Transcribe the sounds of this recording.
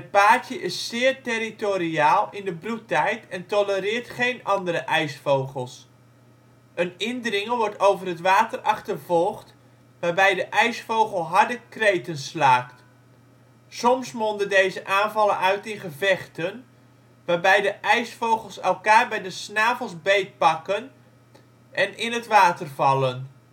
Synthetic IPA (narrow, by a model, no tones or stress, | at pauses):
ət̚paːtjəʔɪsːɪːɹteɾitoɾiaːlˠɪndəbrutɛjtɛntɔlərɪːɹtχejnɑndəɾəʔɛjsfowχəlˠs | ənɪndrɪŋəʋɔɹtowvərɦətʋaːtərʔɑχtərvɔlˠχt | ʋaːɹbɛjdəʔɛjsfowχəlˠɦɑɹdəkrejtənslaːkt | sɔmsmɔndədejzəʔaːnvɑlənœɥtɪnχəvɛχtən | ʋaːɹbɛjdəʔɛjsfowχəlˠsɛlˠkaːɹbɛjdəsnaːvəlˠzbejt̚pɑkən | ʔɛnɪnətʋaːtərvɑlˠən